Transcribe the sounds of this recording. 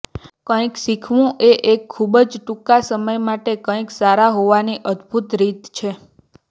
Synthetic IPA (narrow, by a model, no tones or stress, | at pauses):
kə̃ĩksikʰʋũʔeʔekʰːubəd͡ʒʈukasəməjmaʈekə̃ĩksaɾaɦoʋaniʔəd̪ʱbʱut̪ɾit̪t͡ʃʰe